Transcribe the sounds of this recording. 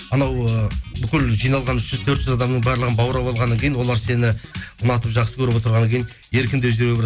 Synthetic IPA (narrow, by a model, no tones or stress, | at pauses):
ɑnɑwəbʏkʲɪlʒijnɑlˠʁɑnʏʃʒ̥ʏzt̪ʰɵɾt̪ʒʏzɑd̪ɑmnəɴbɑɾlˠəʁənbɑwɾɑbɑlˠʁɑnːɑŋkʲʰejɪnwo̞lˠɑɾse̞nɪʊnɑt̪əpʒɑqsəkʲʰɵɾɪpot̪əɾʁɑnəŋkʲeɪn | e̞ɾkʲɪnd̪eʒeɾeb